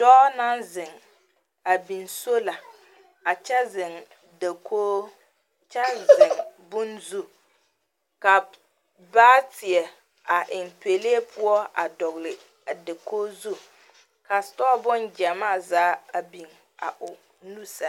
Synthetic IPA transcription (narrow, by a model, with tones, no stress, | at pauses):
d̥ɔː˦na˦nzɪ˨ŋ | a˨bi˨nso˦la˨ | a˨t͡ʃɛ˦zɪ˨ŋ | da˨kʰoː˦ | t͡ʃɛ˦zɪ˨ŋbʊ˦nzu˦ | ka˨ | baː˦tʰɪ˨ɛ˨ | a˨ʔɪ˨ŋpe˨le˦e˦pʰʊ˦ɔ˦a̰˨dɔ˨ɣlɪ˨ | a˨da˨koː˦zu˦ | ka˨stɔ˦bʊ˦nd͡ʒɛ˨maː˦˨zaː˦a˨bi˨ŋ | a̰˨ʔʊ˨ | nu˦sa˦